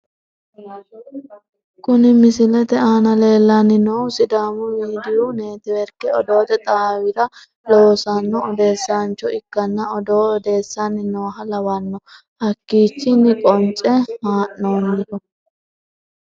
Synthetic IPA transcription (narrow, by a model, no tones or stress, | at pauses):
kʊnɪmɪsɪlɛt̪ɛaːnɐle̞ːlːanːɪnɔwsɪd̪aːmʊmiːd̪ɪjune̞ːt̪ɪwɛɾkːɛɔd̪o̞ːt̪ɛt̪ʼaːwɪɾɐ | loːsɐnːɔːd̪e̞ːsːaːnt͡ʃːɔɪkːɐnːɐɔd̪oːɔd̪e̞ːsːanːɪnoːɦɐlɐwɐnːɔ | hɐkːiːt͡ʃːɪnːɪkʼɔnt͡ʃʼɛhaːʔːoːnːɪd̪ɔ